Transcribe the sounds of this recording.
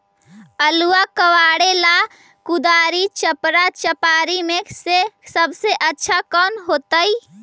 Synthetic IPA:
əluakəwaɽela | kud̪aɾit͡ʃəpɾat͡ʃəpaɾimeksesəbseʔətːʃʰakɔnɦot̪əj

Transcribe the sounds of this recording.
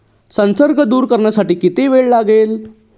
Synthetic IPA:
sə̃nsəɾɡʱəd̪uːɾkəɾɳjasaʈiːkit̪eʋeɭlaɡeːl

